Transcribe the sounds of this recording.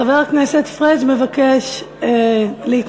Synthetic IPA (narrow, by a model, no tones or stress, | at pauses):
aveʁaknɛset̪fʁeʃmevakeʃ | leit̪